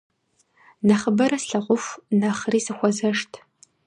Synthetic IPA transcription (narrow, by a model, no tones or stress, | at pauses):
nɐχəbɐɾɐsɬɐʁʷʊfnɐχriːsɨxʷɔzɐʂtʰ